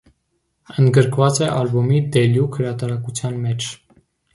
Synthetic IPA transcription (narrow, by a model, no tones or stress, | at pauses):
ənd̪ɡəɾkʰvɑt͡sɛʔɑlbumid̪ɛljukhəɾɑt̪ɑɾɑkut͡sʰjɑnmɛt͡ʃʰ